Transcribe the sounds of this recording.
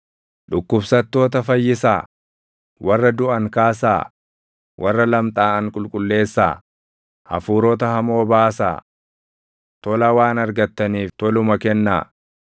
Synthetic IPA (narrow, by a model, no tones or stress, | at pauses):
ᶑʊkːʊbsɐt̪ːo̞ːt̪̬ɐfɐjːɪsa̰ː | wʔɐrːɐd̪ʊʔɐŋkaːsa̰ː | wʔɐrːɐlɐmt̪ʼaːɐŋkʼʊlkʼʊlːe̞ːsːa̰ː | ʔɐ̰fuːɾoːt̪̬ɐhɐmo̞ːbaːsa̰ː | t̪ɔlɐwaːnɐɾɡɐt̪ːɐniːft̪ɔlʊmɐkɛnːa̰ː